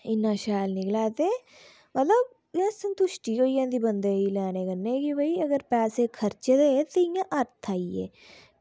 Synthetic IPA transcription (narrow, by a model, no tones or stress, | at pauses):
ɪnːãːʃaːlnɪklaːt̪eː | mət̪ləb̚ | ãsənt̪ʊʃʈiːɦoːijãːd̪iːbənd̪eːiːlɛːñẽːkənẽːkibʱəiːəɡəɾpɛːseːkʰəɾt͡ʃːd̪eːt̪eɪjãːʔəɾt̪ʰaːiḛː